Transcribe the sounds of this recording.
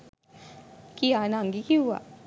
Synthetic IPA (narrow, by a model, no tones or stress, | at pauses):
kianaŋɡikiua̰